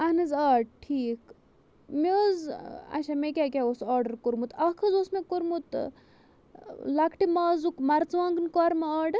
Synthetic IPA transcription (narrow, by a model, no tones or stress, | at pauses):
ɐnɨzaːɖ̚ʈʰiːk | mʲezɐ̰ʃamekʲaːkʲaosaːɾɖəɾkuɾmut̪ɐkʰɐzoːsmɐkuɾmut̪ | lɐkʰʈimaːzukmɐɾt͡sʋãːŋɡɨnkɔːɾmɐaːɖɾ